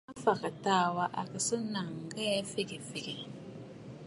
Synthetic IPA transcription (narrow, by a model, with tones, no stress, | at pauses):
a˦fa˨ka˨taː˦wa˦ʔa˨ka˨sɨ˦na˨ŋ˨ɡɛ˦fɪ˦ɡe˨fɪ˨ɡe˨